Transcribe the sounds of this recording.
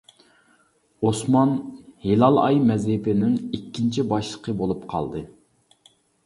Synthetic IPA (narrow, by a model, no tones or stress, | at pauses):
osmɑnhelˠɑlˠɑ̰jmɛzhɪpɪnɪŋikʲʰːint͡ʃʰibɑʃlˠəqʰəbolˠupqʰɑ̰lˠd̪ɨ